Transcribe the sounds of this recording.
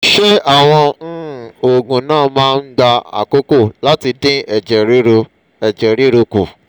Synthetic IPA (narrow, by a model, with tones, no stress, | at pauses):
ʃe˦a˦˨w̃ɔ̃˧n̩˦˨o˨ɡũ˨nãː˦˨mãː˦˧n̩˦ɡ͡ba˧a̰˨ko˦ko˦˨la˦ti˧dĩ˦ɛ˨d͡ʒɛ˨ɾi˦ɾ | ɛ˨d͡ʒɛ˨ɾi˦ɾo˧ku˨